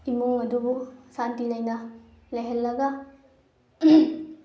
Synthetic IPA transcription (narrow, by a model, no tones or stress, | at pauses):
imuŋəd̪ubusant̪ilajna | leɦɛlːaɡa